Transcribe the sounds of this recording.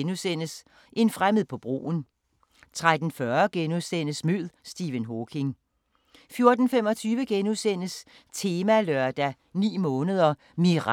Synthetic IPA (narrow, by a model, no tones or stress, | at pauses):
nusen̰əs | ʔe̝nfʁaməðˠpʰɒ̽b̥ʁo̝̰ːn̩ | t͡sʰʁad̥n̩fɶɐɡ̥enuðˠsen̰əsmyð̰ˠsd̥iːʋənɦokʰe̝ŋ | fjo̝ɐd̥n̩fem̰ɒt͡sʰyːʋəɡ̥enusen̰əs | t͡sʰe̝ːmælɶɐd̥æ | nḭːmɔ̽ːnəð̞ˠɐ | miʁ